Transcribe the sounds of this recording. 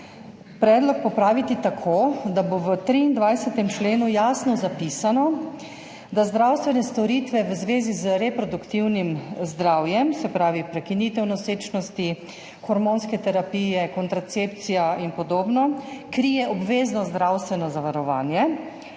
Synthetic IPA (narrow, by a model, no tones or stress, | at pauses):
pɾɛːd̪lɔk̚pɔpɾaːʋit̪it̪akʰoːd̪aboʋət̪ɾiːnd̪ʋajsɛt̪ɛmt͡ʃleːnujaːsnɔzapiːsanɔ | d̪azd̪ɾawst̪ʋɛnɛst̪ɔɾiːt̪ʋɛʋəzʋeːzizəɾɛpɾɔd̪ukt̪iwnimzd̪ɾawjɛmsɛpɾaːʋipɾɛkiniːt̪ɛwnɔseːt͡ʃnɔst̪i | xɔɾmoːnskɛt̪ɛɾapijɛkɔnt̪ɾat̪sep̚t̪sijainpɔd̪oːbnɔkɾijɛʔɔbʋeːznɔzd̪ɾawst̪ʋɛnɔzaʋaɾɔʋa̰ːnjɛ